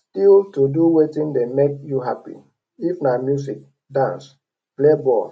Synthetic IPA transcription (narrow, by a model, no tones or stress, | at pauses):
tiltuduwetĩndemek̚juɦapḭ | ifnamjus̬ik̚ | dãns | plebɔ̰